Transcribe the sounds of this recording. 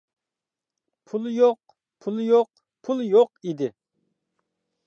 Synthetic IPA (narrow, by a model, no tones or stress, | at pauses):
pʰulˠjoq | pʰulˠjoq | pʰulˠjoqid̪ɪ